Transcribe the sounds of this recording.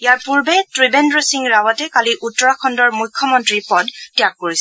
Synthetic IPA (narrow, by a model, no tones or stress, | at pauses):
ijaɹpuɹbɛtɹibɛndɹosiŋɹawatɛkaliʔutːɔɹakʰɔndɔɹmujkʰːɔmɔntɹipɔdtijakːoɹis